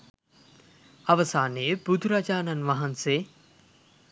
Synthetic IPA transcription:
ɐʋəsaːnejəbud̪ʱuɾad͡ʒaːnanʋaɦanse

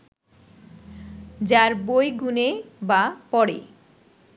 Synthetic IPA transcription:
d͡ʑaɾbojɡunebapɔɽḛ

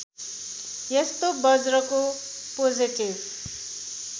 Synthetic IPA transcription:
jest̪obʌd͡zrʌko | pod͡ziʈib

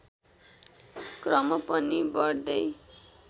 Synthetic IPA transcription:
krʌmʌpʌnibʌɽd̪ʌj

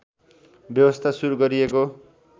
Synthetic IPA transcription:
bjʌbʌst̪ʰasuɾuɡʌɾieko

